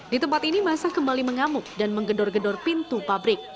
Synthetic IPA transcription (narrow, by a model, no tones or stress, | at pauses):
dit̪əmpat̪inimasakəmbaliməŋamʊk̚danməŋɡədɔrɡədɔrpint̪upabɾɪk̚